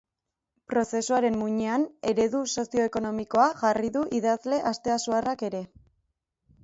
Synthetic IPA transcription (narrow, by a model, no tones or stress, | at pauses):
pɾo̞se̞suaɾe̞mmuɲeane̞ɾe̞ðuso̞sio̞eko̞no̞miko̞aʝariðuʔiðazle̞ʔast̪e̞asuarake̞ɾe̞